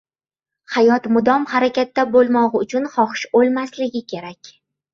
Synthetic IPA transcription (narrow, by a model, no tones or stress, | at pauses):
hajɒt̪mʊd̪ɒmhaɾakʲat̪ːabolˠmɒʁʊt͡ʃʰʊnχɒχɨʃbolˠmaslɪɡʲɪkʲʰe̞ɾakʲ